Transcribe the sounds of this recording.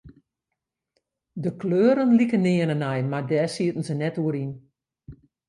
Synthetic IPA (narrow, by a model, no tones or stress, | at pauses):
dəkløːɾənlikənɪənənɛjmardɛːsiətən̩sənɛtuəɾin